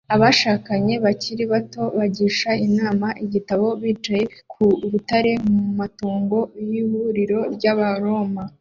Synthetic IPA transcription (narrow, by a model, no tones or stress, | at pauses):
aβaʃaːkaɲe̞βaciɾiβato̞βaɟiːʃainaːmaʔiɟitaβo̞βiːt͡ʃaje̞kʰuɾutaɾe̞mumatuːŋɡo̞jihuɾiɾo̞ɾɟaβaɾo̞ma